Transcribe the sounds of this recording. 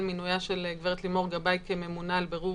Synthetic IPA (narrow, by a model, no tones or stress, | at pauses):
lminujaʃeleɡveʁet̪limo̞ʁɡabajkeme̞munalbeʁu